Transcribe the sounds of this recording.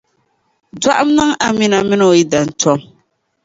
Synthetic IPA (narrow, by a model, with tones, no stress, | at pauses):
da˦ʔa˦m̩˦nɨ˦ŋa˨mi˦na˨mɪ˦no˨ji˦da˨n̩˨tʰɔ˦m